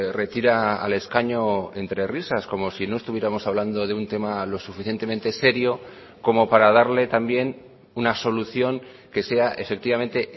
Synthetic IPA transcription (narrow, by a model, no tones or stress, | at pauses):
re̞t̪iɾa̰ːle̞skaɲo̞e̞nt̪ɾe̞risasko̞mo̞sino̞e̞st̪uβjeɾamo̞saβland̪o̞ð̞e̞unt̪e̞malo̞sufiθje̞nt̪e̞me̞nt̪e̞se̞ɾjo̞ | ko̞mo̞paɾað̞aɾle̞t̪ambje̞n | unaso̞luθjo̞ŋ | ke̞se̞aʔe̞fe̞k̚t̪iβame̞nt̪e̞